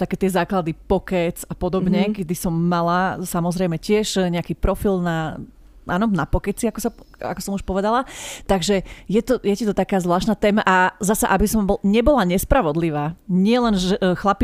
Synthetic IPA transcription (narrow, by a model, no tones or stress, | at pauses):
t̪akɛːt̪ɪɛzaːklad̪ipɔkɛt͡sapɔd̪ɔbɲɛkɛd̪isɔmːalasamɔzɾɛɪmɛcɪɛʃɲɛakiːpɾɔfilna | ʔaːnɔnapɔkɛt͡siakɔsaa̰kɔsɔmuʃpɔʋɛd̪alat̪aɡʒɛjɛt̪ɔjɛcit̪ɔt̪akaːzʋlaːʃt̪naːt̪ɛːmaʔazasaʔabisɔmbɔlɲɛbɔlaɲɛspɾaʋɔd̪liʋaːɲɪɛlɛnʒɛxlapi